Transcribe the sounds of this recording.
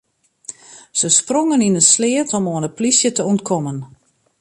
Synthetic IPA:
səsproŋəninənslɪətɔmoənəplisjətəontkʰɔmən

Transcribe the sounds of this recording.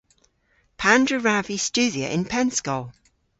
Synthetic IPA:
pʰãndɹəɹavist͡ʃʉːðiə̰ʔɪ̰̃npʰɛ̃nskəʊ

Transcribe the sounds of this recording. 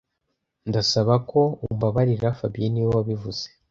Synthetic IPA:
ndasaβako̞umbaβaɾiɾafabijiniwowaβivuz̥e̥

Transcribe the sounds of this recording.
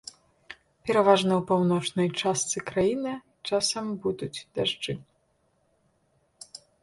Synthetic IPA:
pʲɛɾavaʐnɐwpawnɔt͡ʂnɐjt͡ʂast̪sɨkɾajinɨ | t͡ʂasɐmbud̪ut͡sʲd̪aʐd͡ʐɨ

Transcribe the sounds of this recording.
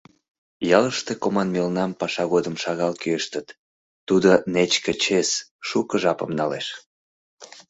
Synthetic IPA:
jɑləʃt̪ekomɑnmelnɑmpɑʃɑɣod̪əmʃɑɣɑlkyeʃt̪ət̪ː | ud̪onet͡ɕkə̆t͡ɕesʃukəʒɑpə̰mnɑleʃ

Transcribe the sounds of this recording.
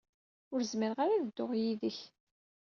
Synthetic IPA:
ʊɾzməɾʁaɾaðəd̪ːʊʁjiðəç

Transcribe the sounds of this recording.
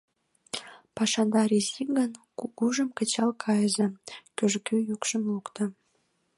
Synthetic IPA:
pɑʃɑnd̪ɑɾizikɡən | uɡuʒəmkət͡ɕɑlkʰɑjəzĕkøʒkyjukʃəmlukt̪ə̆

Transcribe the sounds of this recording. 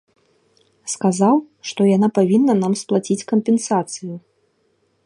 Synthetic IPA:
skazaw | ʂt̪ɔjanapavʲinːɐnamsplˠat͡sʲit͡sʲkɐmpʲɛnsat̪sɨju

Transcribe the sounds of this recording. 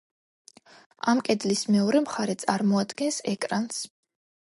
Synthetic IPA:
amkʼɛd̪lismɛɔɾɛmχaɾɛt̪sʼaɾmɔad̪ɡɛnsɛkʼɾans

